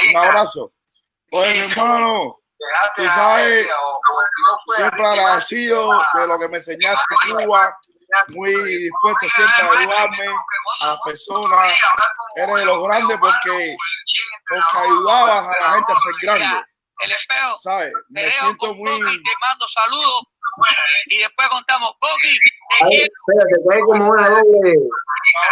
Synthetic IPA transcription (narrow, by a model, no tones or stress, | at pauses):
unaβɾaso̰ | omeɾmãno | t̪usaβe | sjempɾeaɾasiðoðelo̞kemẽnseɲat̪eekuβa | mwiðispwe̞ht̪osjempɾeajuðaɾmeapeɾsona | eɾeðelo̞ɣɾand̪epoɾke | poɾkeajuðaβasalahẽnt̪easeɾɡɾand̪e | elepeosaβemessjent̪omwimãnd̪osaluðo | iðehpwehkont̪amokokiaipeɾasekaikomeenaleɾlea